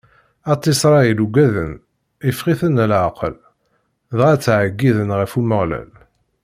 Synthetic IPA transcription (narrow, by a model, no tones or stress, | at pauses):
ɑt̪ˤːisˤɾˤɑiluɡæðən | ifʁiθənlʕqə̰l | ðʁæt͡sːʕəɡːiðənʁəfuməʁlæ̰l